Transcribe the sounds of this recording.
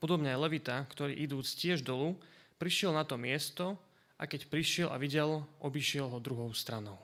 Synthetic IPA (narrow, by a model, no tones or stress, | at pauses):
pɔd̪ɔbɲɛaajlɛʋit̪akt̪ɔɾḭːʔid̪uːt͡scɪɛʒd̪ɔlupɾiʃɪɛlnat̪ɔmɪɛst̪ɔ | ʔa̰kɛcpɾiʃɪɛlʔa̰ʋiɟɛlʔɔbiʃɪɛlɦɔd̪ɾuɦɔʊst̪ɾanɔʊ